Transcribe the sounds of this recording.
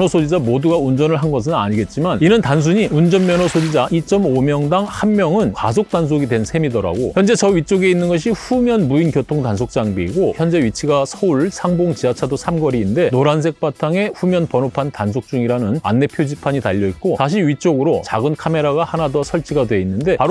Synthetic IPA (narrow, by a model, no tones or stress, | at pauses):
nʌsʰod͡ʑid͡ʑamoduɡaund͡ʑʌnɯɭɦanɡʌs̬ʰɯna̰ɲiɡe̞t̚t͡ɕ͈imaninɯntans̬ʰuɲiund͡ʑʌnmjʌnʌsʰod͡ʑid͡ʑaʔit͡ɕ͈ʌmomjʌŋdaŋhanmjʌŋɯnkwa̰s̬ʰok̚t͈ans̬ʰoɡidwe̞nsʰe̞midʌɾa̰ɡojʌnd͡ʑe̞t͡ɕʌɥit͡ɕ͈oɡe̞inːɯnɡʌɕ̬ʰiɸumjʌnbuinkjotʰoŋtansʰok̚t͡ɕ͈aŋbiiɡoçjʌnd͡ʑe̞ɥit͡ɕʰiɡasʰʌuɭsʰaŋboŋt͡ɕiat͡ɕʰadosʰamɡʌɾiːnde̞noɾans̬ʰe̞k̚p͈atʰaŋe̞ɸumjʌnpʌnopʰantansʰok̚t͡ɕ͈uŋiɾanɯna̰nːe̞pʰjod͡ʑipʰaɲitaʎːʌit̚k͈osaɕ̬ʰiɥit͡ɕ͈oɡɯɾot͡ɕaɡɯnkʰame̞ɾaɡahanadʌsʰʌɭt͡ɕʰiɡadwe̞inːɯnde̞paɾ